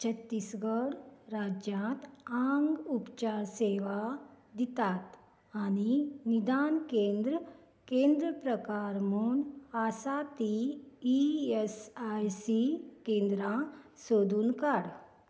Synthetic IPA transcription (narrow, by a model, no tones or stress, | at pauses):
t͡ʃʰɐt̪ːisɡəɾɾaːd͡ʒjãt̪ãŋɡupt͡ʃaːɾseːʋad̪it̪aːt̪ | aninid̪aːnkẽːnd̪ɾə | kẽːnd̪ɾəpɾəkaːɾmunaːsaːt̪iː | esajsikẽːnd̪ɾãsoːd̪unkaɽ